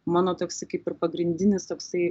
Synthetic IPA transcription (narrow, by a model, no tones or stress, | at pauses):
mɑːnoːt̪oːksɐɪkɐɪpɪrpɐɡɾʲɪnʲd̪ʲɪnʲɪst̪oːksɐɪ